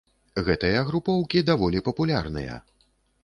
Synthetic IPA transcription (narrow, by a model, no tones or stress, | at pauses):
ɣɛt̪ɐjɐɣɾupɔwkʲid̪avɔlʲipɐpulʲarnɨ̰jɐ̰